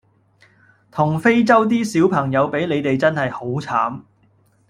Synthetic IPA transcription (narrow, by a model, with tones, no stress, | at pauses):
t̪ʰʊ˨˩ŋfe˥jt͡sɐ˥wt̪̬iː˥siː˨˥wpʰɐ˨˩ŋjɐ˨˧wpe˨˥jne˨˧jt̪e˨jt͡sɐ˥nhɐ˨jho˨˥wt͡sʰaː˨˥m